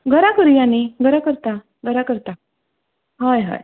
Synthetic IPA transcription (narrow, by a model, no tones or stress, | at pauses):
ɡʱəɾakəɾjaniɡʱəɾakəɾt̪a | ɡəɾakəɾt̪a | ɦəjɦə̰j